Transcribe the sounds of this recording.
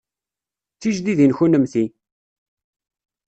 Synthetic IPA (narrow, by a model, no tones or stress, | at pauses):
θiʒd̪iðinçunəmθi